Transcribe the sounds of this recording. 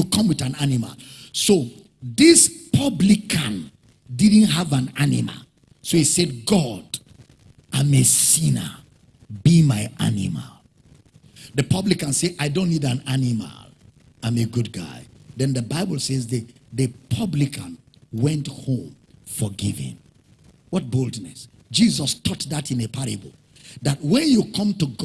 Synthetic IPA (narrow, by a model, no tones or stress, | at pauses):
ukʰʌ̃mwiðãnanima̰lso | ðispʰʌblikʰãn | did̃ⁿn̩tɦavãnanima̰l | sohisɛd̚ɡɔd̥ | ãmesĩnə̰ | bimaɪʔa̰nḭma̰l | ðəpʰʌblikãnseʔaɪdõntːidãnanima̰l | ãmeɡud̚ɡa̰ɪðɛ̃nðəbaɪbəl̩ˠsezðəðəpʰʌblikʰãn | wɛ̃nthõm | fɔɡḭvɪ̰̃m | wɔt̚bolˠdnɛs | d͡ʒizɔstʰɔt̚ðatĩnepʰaɹabl̩ | ðat̚wɛ̃njukʰʌ̃mtuɡ